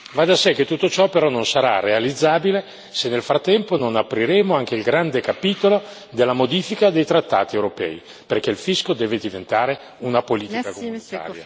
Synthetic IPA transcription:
vad̪asɛk̟et̪ːut̪ːot͡ʃɔpeɾɔnonsaɾa̰realid̪zːaːbile | senːelfɾat̪ːɛmpononapːɾiɾeːmoaŋk̟eilɡɾand̪ekapiːt̪olo | d̪elːamod̪iːfikad̪ejt̪ɾat̪ːa̰ːt̪iewɾopɛ̰ːi | perkeilfiskod̪ɛːved̪ivent̪aːɾe | unapoliːt̪ikakomunit̪a̰ːɾja̰

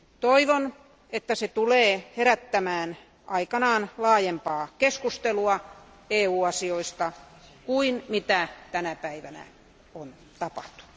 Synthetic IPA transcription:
t̪oiʋon | et̪ːæset̪uleːheɾæt̪ːæmæːn | ʔɑikɑnɑːnlɑːjempɑːkeskust̪eluɑ | eːuːɑsioist̪ɑ | kuinmit̪æt̪ænæpæiʋænæ̰ | on | t̪ɑpɑ̥ht̪u̥

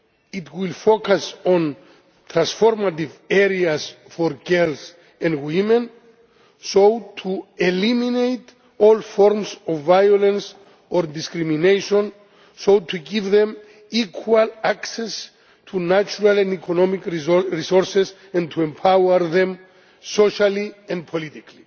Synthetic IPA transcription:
itwilfokasɔ̃n | t̪ʰɹãnsfɔɾmativɛɾias | fɔɾɡɛls | ɛ̃ndwimɛ̃n | sowtʰueliminejt | ɔlfɔɾmsɔvːajɔlɛ̃ns | ɔɾdiskɾimineʃɔ̃n | sotʰuɡivðɛ̃m | ikʰwalaksɛs | tʰunat͡ʃuɾalɛ̃ndikʰɔnɔmikɹisɔɹses | ɛ̃ntʰuɛ̃mpʰawəɾðɛ̃m | soʃaliɛ̃n̚pʰɔlitikli

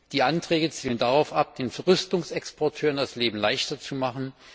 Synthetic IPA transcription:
d̥iːʔantʁ̥ɛːɡət͡siːləndaʁaʊfʔap̚d̥eːnfɛɐʁʏstʊŋsɛkspʰɔɐtʰøːʁəndasleːbm̩laɪçtɐt͡sumaχn̩

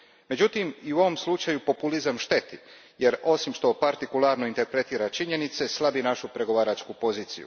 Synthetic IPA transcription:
me̞d͡ʑut̪imiuo̞ʋo̞mslˠut͡ʃajupo̞pulizamʃt̪e̞t̪i | je̞ɾo̞simʃt̪o̞paɾt̪ikulˠaːɾnoint̪e̞ɾpɾe̞t̪iːɾat͡ʃiɲe̞nit̪se̞slˠabinaʃupɾe̞ɡo̞ʋaːɾat͡ʃkupo̞ziːt̪sḭjṵ

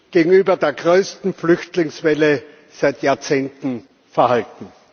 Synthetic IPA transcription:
ɡ̥eːɡŋ̩yːbɐdeːɐɡʁøːstn̩flʏçtlɪŋsvɛlə | z̥aɪtjaːɐt͡seːntn̩ | fɛɐhaltn̩

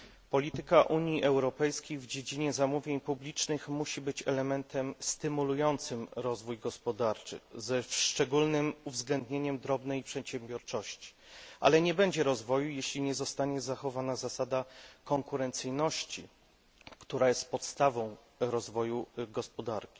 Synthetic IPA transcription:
pɔlʲit̪ɘkaʔuɲiʔɛwɾɔpɛjskʲejvd͡ʑed͡ʑiɲɛzamuvʲjeɲpublʲit͡ʂnɘxmuɕibɘt͡ɕɛlɛmɛnt̪ʰɛmst̪ɘmulujɔnt̪sɘmɾɔzvujɡɔspɔd̪aɾt͡ʂɘ̰zɛʂt͡ʂɛɡulnɘmuvzɡlɛnd̪ɲeɲɛmd̪ɾɔbnɛjpʂɛt̪ɕɛmbʲjɔɾt͡ʂɔɕt͡ɕi̥ | ʔa̰lɛɲɛbɛɲd͡ʑɛɾɔzvɔjujeɕlʲiɲɛzɔst̪aɲɛzaxɔvanazasad̪akɔŋkuɾɛnt̪sɘjnɔɕt͡ɕi | kt̪uɾajɛst̪̚pɔt̪st̪avɔ̃w̃ | ɾɔzvɔjuɡɔspɔd̪aɾkʲi̥

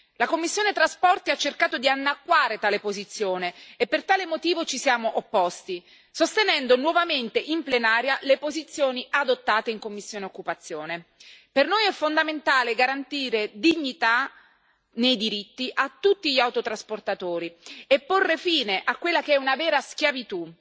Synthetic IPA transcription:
lakomːisːjoːnet̪ɾaspɔrt̪iat͡ʃːerkaːt̪od̪ianːakːwaːɾet̪aːlepozit̪sːjoːneːpːert̪aːlemot̪iːvot͡ʃisjaːmoʔopːɔst̪i | sost̪enɛnd̪onwɔvament̪eʔimplenaːɾjalepozit̪sːjoːniʔad̪ot̪ːaːt̪eiŋkomːisːjoːneokːupat̪sːjoːnepernojɛfːond̪ament̪aːleɡaɾant̪iːɾed̪iɲːit̪a | nejd̪iɾit̪ːiʔat̪ːut̪ːiʎiawt̪ot̪ɾasport̪at̪oːɾiepːorːefiːneʔakːwelːakeɛunavɛːɾaskjavit̪u

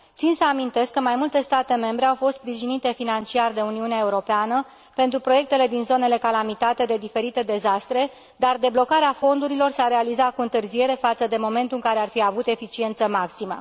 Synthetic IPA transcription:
t̪sinsəamint̪e̞skːəmajmult̪e̞st̪at̪e̞me̞mbɾeawfo̞st̪spɾiʒinit̪e̞finant͡ʃiard̪e̞uniuneaeuɾo̞peanə | pe̞nt̪ɾupɾo̞je̞k̚t̪e̞le̞d̪inzo̞ne̞le̞kalamit̪at̪e̞d̪e̞d̪ife̞ɾit̪e̞d̪e̞zast̪ɾe̞ | d̪ard̪e̞blo̞kaɾeafo̞nd̪uɾilo̞rseaɾe̞alizakuɨnt̪ɨrzie̞ɾe̞fat̪səd̪e̞mo̞me̞nt̪uɨŋkaɾe̞arfiavut̪e̞fit͡ʃie̞nt̪səmaksimə̰

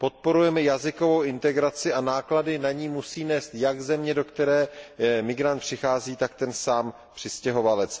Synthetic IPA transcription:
po̞t̪̚po̞ɾujɛmɛjazɪko̞vo̞wɪnt̪ɛɡɾat͡sɪʔanaːkladɪnaɲiːmusiːnɛːst̪jaɡzɛmɲɛdo̞kt̪ɛɾɛːmɪɡɾant̪̚pr̥ɪxaːziːt̪akt̪ɛnsaːm | pr̥ɪscɛɦo̞valɛt͡s

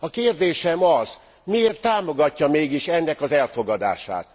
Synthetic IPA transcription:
ɒkeːrd̪eːʃɛmɒz | mieːrt̪ːaːmo̞ɡɒcːɒmeːɡiʃɛnːɛkɒzɛlfo̞ɡɒd̪a̰ːʃa̰ːt̪

